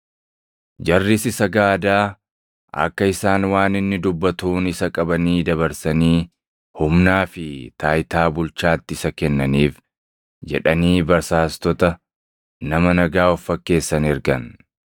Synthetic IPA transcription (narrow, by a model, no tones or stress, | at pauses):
d͡ʒɐrːɪsɪsɐɡaːd̪aː | ɐ̰kːɐɪsaːnwaːnɪnːɪd̪ʊbːɐt̪uːnɪsɐkʼɐbɐniːd̪ɐβɐɾsɐniː | hʊmnaːfɪt̪aːjt̪aːbʊlt͡ʃaːt̪ːɪɪsɐkɛnːɐniːf | d͡ʒɛ̰ᶑɐniːbɐɾsaːst̪ɔt̪ɐ | nɐmɐnɐɡaːɔfːɐkːe̞ːsːɐnɪɾɡɐ̰n